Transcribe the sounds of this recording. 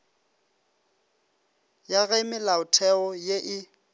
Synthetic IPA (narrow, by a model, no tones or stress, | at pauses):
jaɣemɪlaʊtʰɛɔjeʔɪ